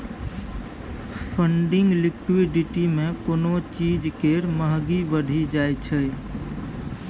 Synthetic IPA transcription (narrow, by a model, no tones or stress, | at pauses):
fʰə̃ɳɖɪ̃ŋɡlɪkʋiɖɪʈimẽkoːnot͡ʃiːd͡ʒkeːɾməɦɡiʋəɖʱid͡ʒaːet͡ʃʰə